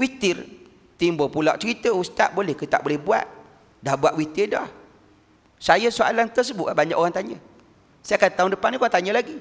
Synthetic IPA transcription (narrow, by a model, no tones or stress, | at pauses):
wit̪ɪr | t̪imbopula̰ʔt͡ʃəɾit̪əust̪a̰ʔbolɛhkət̪a̰ʔbolɛhbua̰t̪̚ | dahbuaʔwit̪irda̰h | sajəsoa̰lant̪ərs̬əbʊʔabaɲa̰ʔkoɣaŋt̪aɲə | saakadt̪aʊŋdəpanikoaŋt̪aɲəlaɡi